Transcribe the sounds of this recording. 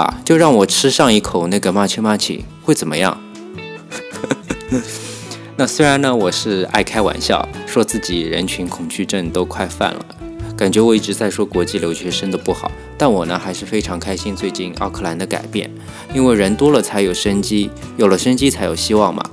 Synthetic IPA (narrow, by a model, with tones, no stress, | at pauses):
t͡ɕjo˥˧ʊɻɑ˥˩ŋwɔ˨˩ʈ͡ʂʰɻ̩˥ʂɑ˥˧ŋi˥˩kʰo˨˩ʊna˥˩ɡə˩ma˥˩t͡ɕʰi˥ma˥˩t͡ɕʰḭ˨˩we˥˩ɪt͡sə˨˩mə̰˦jɑ̰˥˩ŋ | na˥˧˩swe˥ɪɻa˧˥nə˧wɔ˨˩ʂɻ̩˥˧a̰˥˩ɪkʰa˥ɪwa̰˨˩nɕjɑ̰˥˩ʊʂwɔ˥t͡sɹ̩˥˩t͡ɕi˨˩ɻə̰˧˥nt͡ɕʰy˧˥nkʰʊ˨˩ŋt͡ɕy˥˧ʈ͡ʂə˥˩ŋt̪o˥ʊkʰwa˥˧ɪfa̰˥˩nlə̰˩ | ka˨˩nt͡ɕɥɛ˧˥wɔ˨˩i˥˩ʈ͡ʂɻ̩˧˥t͡sa˥˩ɪʂwɔ˥kwɔ˧˥t͡ɕi˥˩ljo˧˥ʊɕɥɛ˧˥ʂə˥nd̪ə˨pu˥˩xɑ̰˨˩˦ʊt̪a˥˩nwɔ˨˩nə˦xa˧˥ɪʂɻ̩˥˩fe˥ɪʈ͡ʂʰɑ˧˥ŋkʰa˥ɪɕi˥nt͡swe˥˧ɪt͡ɕi˥˩nɑ˥˧ʊkʰɤ˥˩la˧˥nd̪ə˧ka̰˨˩ɪpjɛ̰˥˩n | i˥nwe˥˩ɪɻə˧˥nt̪wɔ˥lə˨t͡sʰa˧˥ɪjo˨˩ʊʂə˥nt͡ɕi˥jo˨˩ʊlə˦ʂə˥nt͡ɕi˥t͡sʰa˧˥ɪjo˨˩ʊɕi˥wɑ˥˩ŋmɐ̰˩